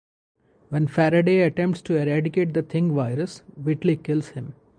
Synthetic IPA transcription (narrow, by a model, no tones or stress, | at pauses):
ʋɛ̃nfæɾəɖeɐʈɛ̃mpʈsʈuɛɾæɖɪkeːʈ̚d̪ət̪ʰɪ̃ŋɡʋaɪɾəsʋɪʈlikɪlshɪ̃m